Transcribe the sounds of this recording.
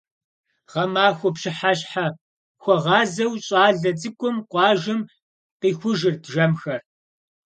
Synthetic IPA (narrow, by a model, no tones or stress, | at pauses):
ʁɐmaːxʷʊpɕɪħaɕħa | xʷɔʁɑːzɐwɕʼɑːɮɐd͡zɨkʷʼʊmqʷɑːʒɪm | qiːxʷʊʒɪrdʒɐmxɐr